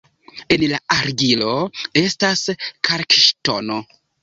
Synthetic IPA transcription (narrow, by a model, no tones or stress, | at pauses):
e̞nlaaɾɡilo̞e̞staskʰaɾkiʃto̰no